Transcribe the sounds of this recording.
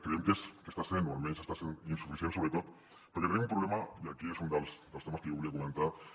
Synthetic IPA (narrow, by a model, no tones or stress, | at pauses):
kɾeemkeskest̪asenualmensest̪aseninsufiθjentsoβɾet̪ot̪ | peɾokeɾnemumpɾuβlemaiakiesund̪elsd̪elst̪emaskeoβuliakomẽnt̪aɾ